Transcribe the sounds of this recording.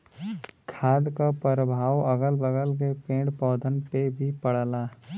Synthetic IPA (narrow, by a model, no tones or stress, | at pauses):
kʰaːd̪kapəɾəbʱaːwəɡəlbəɡəlk̬epẽːɖpɔːd̪ʱənpebʱipəɽlaː